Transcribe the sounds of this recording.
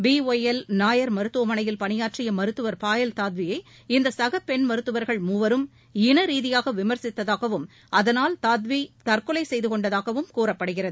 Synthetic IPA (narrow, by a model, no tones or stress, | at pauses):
biːoːjɛlnaːjɐɾmɐɾɯt̪ːoːmɐnɐjɪlpɐnɪjaːʈrɪjɐmɐɾɯt̪ːɯʋɐɾpaːjɐlt̪aːt̪ʋɪjɐɪ | ɪnd̪ɐsɐɣɐpːɛɳmɐɾɯt̪ːɯʋɐɾɣɐɭmuːʋɐɾɯm | ɪnɐɾiːðɪjaːɣɐʋɪmɐɾsɪt̪ːɐðaːɣɐʋɯm | ʔɐðɐnaːlt̪aːt̪̬ʋit̪ɐrkɯlɐɪsɛjðɯkɔɳɖɐðaːɣɐʋɯmkuːrɐpːɐɽɯɣɪrɐðɯɯ